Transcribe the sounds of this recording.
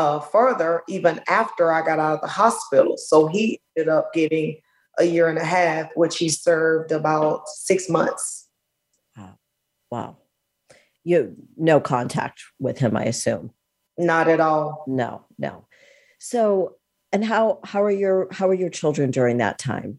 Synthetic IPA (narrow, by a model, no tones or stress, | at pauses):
ʌfɜ˞ðə˞ʔivɨ̃næftə˞aɪɡɑɾaʊɾʌvðəhɑspɪɾl̩ˠsoʊiɛ̃ndɨɾʌp̚ɡ̥ɛɾɪ̃ŋ | ʔəjɪɹɨ̃nɨɦæfwɪt͡ʃhisɜ˞vdəbaʊt̚sɪksmʌ̰̃nθs | ʌ | wa̰ʊ | jɨnoʊkʰɑ̰̃ntʰæ̰k̚t̚wɪð̥ɨ̃ma̰ɪɨsʉ̰̃m | nəɾɨɾɔlˠno̰ʊ | no̰ʊ | soʊ | ɨ̃nɦaʊhaʊə˞jə˞haʊə˞jə˞t͡ʃʰɪlˠdɹɨ̃ndʊɹɪ̃ŋðə̰tʰã̰ɪ̃m